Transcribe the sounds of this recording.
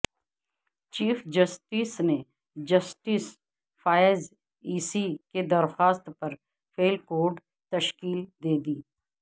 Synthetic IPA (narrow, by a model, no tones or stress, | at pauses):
t͡ʃiːfd͡ʒəsʈiːsne | d͡ʒəsʈɪs | faːjz | iːsiked̪ɐɾxaːst̪pɐɾ | fʰeːlkoːɖ | t̪ɐʃkiːld̪eːd̪iː